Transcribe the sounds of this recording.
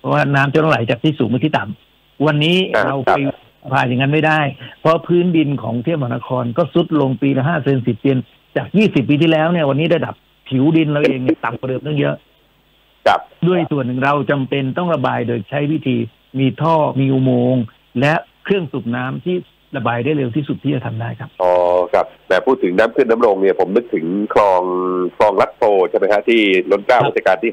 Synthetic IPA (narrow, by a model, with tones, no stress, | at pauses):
pʰɔ˦˥waː˥˩naː˦˥mt͡ɕʰa˧nla˥˩la˩˦jt͡ɕaː˨˩k̪̚ʰiː˥˩suː˨˩ŋmaː˧˩t̪ʰiː˥˩t̪a˨˩m | wa˧nːiː˦˥ɾa˧wa˧j | pʰaː˧ja˨˧˩ŋa˦˧˥nma˥˩jdaː˥˩jpʰɔ˦˥pʰɯː˦˥ndi˧nkʰɔ̰ː˩˦ŋt̪ʰi˥˩ma˧˨˧na˧˥kʰɔː˧nkɔː˥˩su˦˥t̪̚lo˧ŋpiː˧lɛ˦˥ɦaː˥˩se˧nsi˨˩p̚di˧ən | t͡ɕaː˨˩k̚jiː˥˩si˨˩p̬̚ːiː˧t̪ʰiː˥˩lɛː˦˥wni˥˩əwa˧nːiː˦˥da˥˩jda˨˩p̚ | pʰːi˨˩˦wdi˧nɾa˧wʔeː˧ŋni˥˩t̪a˨˩mkwa˧dɤː˧mt̪ʰɔ˥˩ŋjɤ˦˥ʔ | pdu˥˩əjsu˨˩ənːɯ˨˩ŋɾa˧wt͡ɕa˧mpe˧nt̪ɔ˥˩ŋɾa˧baː˧jdoː˧jt͡ɕʰa˦˥jwi˦˥t̪ʰiː˧ | miː˧t̪ʰɔː˥˩miː˧ʔu˧moː˧ŋ | lɛ˦˥ʔkʰɾɯ˥˩əŋsu˨˩p̚naː˦˥mt̪ʰiː˥˩ | ɾa˧baː˧jda˥˩jle˧wt̪ʰiː˥˩su˨˩t̪ʰiː˥˩t͡ɕa˨˩t̪ʰa˧mdaː˥˩jkʰa˦˥p̚ʔɔː˧˩kʰa˦˥p̚mɛː˨˩pʰːuː˥˩t̪ʰːɯ˩˦ŋnaː˦˥mkʰɯ˥˩əna˦˥mɾo˧ŋni˥˩əpʰo˩˦mnɯ˦˥k̚t̪ʰɯ˩˦ŋkʰlɔː˧ŋkʰlɔː˧ŋla˦˥t̪̚pʰoː˧˩t͡ɕʰa˥˩ma˦˥kʰa˦˥t̪ʰiː˥˩lo˦˥nkaː˥˩wi˦˥a˧kaː˧nt̪ʰiː˥˩